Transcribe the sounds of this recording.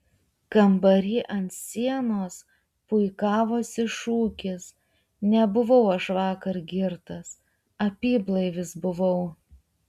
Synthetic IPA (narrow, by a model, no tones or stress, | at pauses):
kɐmbɐɾʲiːʔɐnt̪sʲiɛnoːs | pʊɪkɑːʋoːsɪʃuːkʲɪs | nʲɛbʊʋɐʊɐʃʋɑːkɐɾɡʲɪɾt̪ɐs | ɐpʲiːblˠɐɪʋʲɪsbʊʋɐʊ